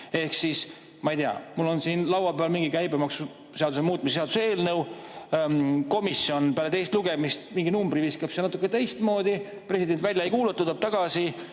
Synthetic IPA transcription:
e̞hksis | mɑijt̪eɑ̰mulːo̞nsiːnlɑwwɑpeɑlmiŋɡikæjbemɑksu | seɑd̪usemuːt̪̚ːˑmiseseɑd̪usee̞ːlnɤw | ko̞misːio̞npeælet̪ejst̪luɡ̥e̞mist̪miŋɡinumbɾiviskɑbseɑnɑt̪ːˑukːet̪e̞jst̪mo̞ːd̪i | pre̞sid̪̥e̞nt̪ˑvælʲjɑejkuːlet̪ːut̪ːɑb̥̚t̪ɑɡ̥ɑsi

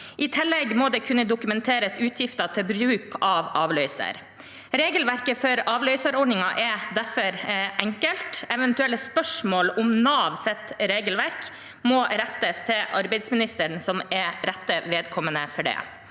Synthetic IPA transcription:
ʔɪt̪ʰɪlːɛɡmoːd̪ɛːkʰʉnːəd̪ʊkʉmɛnt̪ʰeːɾəsʉːt̪ʰjɪft̪ɑt̪ʰɪlbɾʉːkʰɑʋɑːʋlœʏsə̰ɾ | ɾeːɡəlʋæɾkəfɔɾɑːʋlœʏsəɾɔɖɳɪŋɑʔɛd̪æfɔɾʔɛŋkəlt̪ɛʋɛnt̪ʉɛlːəspœʂmoːlʊmnɑːʋsɛt̪ɾeːɡəlʋæɾk | moːɾɛt̪ːəst̪ʰɪlʔɑɾbæɪd̪smɪnɪst̪əɳsɔmɛɾɾɛt̪ːəʋeːd̪kʰɔmənəfɔɖɛ̰ː

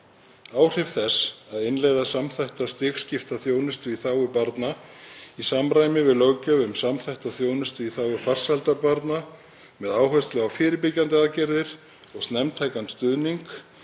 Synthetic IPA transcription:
aːwr̥ɪfθɛsaðɪnlɛːjðasamθajht̪ast̪ɪːxscɪft̪aθjoːwnʏst̪ʏiθaːwʏpaɾt̪naisamɾaːjmɪvɪðlœwcœʏmsamθajht̪aθjoːwnʏst̪ʏiθaːwʏfar̥salt̪aɾpaɾt̪na | mɛðaːwɦœst̪lʏɣawfɪːɾɪpɪcːant̪ɪaðcɛɾðɪɾ̥ | ɔɣst̪nɛmt̪ʰaːjkanst̪ʏðniŋk

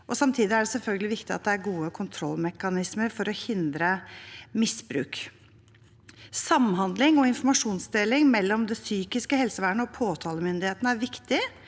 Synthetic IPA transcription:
ʔɔsɑmt̪ʰiːd̪ɪæɖɛsɛlfœlɡəlɪʋɪkt̪ɪɑt̪̚d̪ɛæɾɡuːəkʰʊnt̪ʰɾɔlːmɛkɑnɪsməɾfɔɾɔhɪnd̪ɾəmɪsbɾʉ̰ːk | sɑmɦɑnd̪lɪŋɔɪnfɔɾmɑʂuːnsd̪eːlɪŋmɛlːɔmd̪ɛsyːkɪskəhɛlsəʋæːɳəɔpʰoːt̪ʰɑːləmʏnd̪ɪheːt̪nəæɾʋɪkt̪ɪ

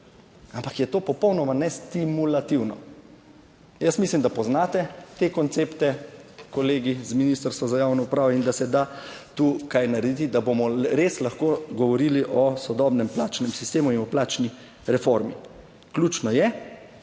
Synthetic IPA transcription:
ampakjɛt̪oːpɔpɔwnɔmanɛst̪imulat̪iwnɔ | jəsmislimd̪apɔznaːt̪ɛt̪ekɔnt̪seːpt̪ɛkɔleːɡizminist̪əɾst̪ʋɔzajawnɔupɾaːʋɔind̪asɛd̪at̪uːkajnaɾɛd̪it̪id̪abomɔɾeːslaxkoɡɔʋɔɾiːliʔɔsɔd̪ɔːbnɛmplaːt͡ʃnɛmsist̪eːmuinɔplaːt͡ʃni | ɾɛfoɾmḭ | klʲuːt͡ʃnɔjɛ

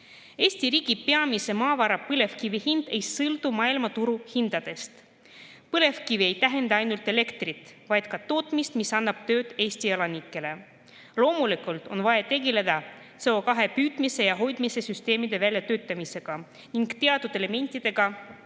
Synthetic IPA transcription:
e̞ːsʲt̪iɾiːɡ̥ipe̞ɑmise̞mɑːvɑɾɑpɤle̞vkivihind̪̥e̞jsɤld̪umɑːilmɑt̪uɾuhind̪̥ɑd̪̥e̞st̪ | pɤle̞vkivie̞jt̪æɦe̞nd̪ɑɑjnult̪e̞le̞kt̪rit̪ˑvɑjd̪̥kɑt̪o̞ːt̪ˑmist̪misɑnːɑb̥t̪ø̞ːd̪̥e̞ːsʲt̪ielɑnikːˑe̞le̞ | lo̞ːmulikˑult̪ˑo̞̰nvɑjet̪e̞ɡe̞le̞d̪̥ɑseokɑɦe̞pyːd̪̥mise̞jɑɦo̞jd̪̥mise̞syst̪e̞ːmid̪̥e̞vælʲjɑt̪øːt̪ːˑɑmise̞ɡ̥ɑ | niŋɡ̥t̪e̞ɑt̪d̪ud̪̥e̞le̞me̞nʲt̪ːˑid̪̥e̞ɡ̥ɑ

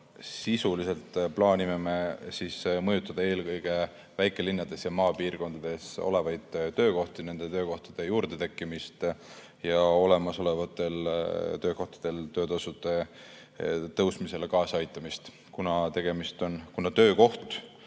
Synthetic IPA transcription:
sisulise̞lt̪ːˑplɑːnʲimeme̞sismɤjut̪ːˑɑd̪̥ɑe̞ːlkɤjɡ̥e̞ | væjkːˑe̞linːɑd̪̥e̞sjɑmɑːpiːrko̞nd̪̥ɑd̪̥e̞so̰le̞vɑjd̪̥t̪ːø̞ːko̞ht̪ine̞nd̪̥e̞t̪øːko̞ht̪ɑd̪̥e̞juːɾd̪̥e̞t̪e̞kːˑimist̪ | jɑo̞le̞mɑso̞le̞vɑt̪ˑːe̞lt̪ø̞ːko̞ht̪ɑ̥d̪̥e̞lt̪ø̞ːt̪ɑsud̪̥e̞ | t̪ɤwsmise̞lekɑːsɑjt̪ːˑɑmist̪ | kunɑt̪e̞ɡ̥e̞mist̪o̞nkunɑt̪ø̞ːko̞ht̪

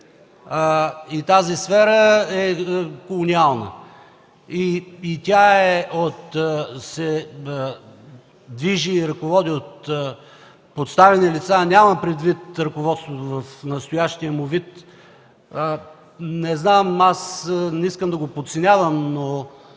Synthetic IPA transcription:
əit̪azisfɛɾəɛkolˠonialˠnə̰ | iːt̪ʲaɛot̪sɛ | d̪viʒiːɾəkovɔd̪iot̪ | pot̪st̪avɛnilit̪sanʲaməpɾɛd̪vit̪ɾɐkovɔt̪st̪vot̪ovɐfnɐst̪ojaʃt̪iəmovit̪ | ə | nɛznamasnɛiskəmd̪ɐɡopot̪sɛnʲavəmno

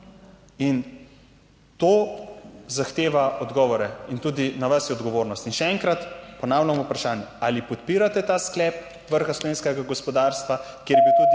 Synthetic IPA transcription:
in | t̪oː | zaxt̪eːʋaɔd̪ɡɔːʋɔɾɛint̪uːd̪inaʋasjɛɔd̪ɡɔʋoːɾnɔst̪inʃɛɛŋkɾat̪pɔnaːwlʲaamupɾaʃaːnjɛaːlipɔt̪piːɾat̪ɛt̪asklɛp̚ | ʋəɾxaslɔʋeːnskɛɡaɡɔspɔd̪aːɾst̪ʋakjeɾjebiwt̪uːd̪

